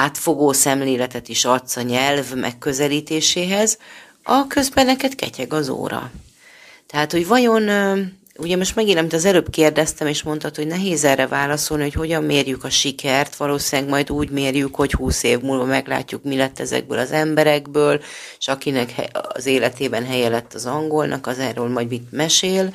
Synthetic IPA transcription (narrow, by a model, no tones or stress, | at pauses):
aːt̪fo̞ɡoːsɛmleːlɛt̪ɛt̪iʃɒt̪sɒɲɛlvmʔɛ̰kːø̞zɛliːt̪eːʃeːɦɛz | ɒkø̞zbɛnːɛkɛt̪kɛ̰cɛɡɒzo̰ːɾɒ̰ | t̪ɛɦaːt̪ho̞ɟvɒjo̞nː | uɟɛmo̞ʃt̪mɛɡinɒmit̪ɒzɛløːbkeːrd̪ɛst̪ɛmeːʃmo̞nt̪ɒt̪ho̞ɟnɛɦeːzɛrːɛvaːlɒso̞lniho̞cho̞ɟɒmːeːrjykɒʃikɛrt̪ʋɒloːsinɛɡmɒjd̪uːɟmeːrjykho̞chuːseːvmuːlvɒmɛɡla̰ːcːukmilɛt̪ːɛzɛ̰ɡ̚bø̰ːlɒzɛmbɛɾɛɡ̚bøːlʃɒkinɛkhɛ̰ɒ̰zeːlɛt̪eːbɛnɦɛjɛlɛt̪ːɒzɒŋɡo̞lnʔɒ̰kɒzɛrːøːlmɒɟmit̪mɛʃeːl